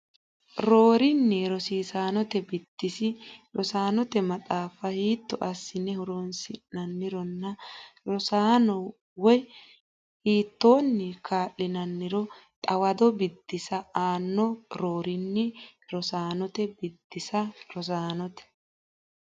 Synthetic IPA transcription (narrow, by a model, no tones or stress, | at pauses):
ɾoːɾɪnːɛɾɔsiːsaːnɔt̪ɛbɪd̪̥ːɪsɪɾɔsaːnɔt̪ɛmɐt̪ʼaːfɐhiːt̪ːɔʔɐsːɪnːɛhʊɾoːnsɪnɐnːɪɾɔnːɐɾɔsaːnɔ | wɔj | hiːt̪ːoːnːɪkʰaːʔːɪnɐnːɪɾɔt̪ʼɐwɐd̪ɔbɪd̪̥ːɪsɐaːnːɔɾoːɾɪnːɛɾɔsaːnɔt̪ɛbɪd̪̥ːɪsɐɾɔs̬aːnɔt̪ɛ̥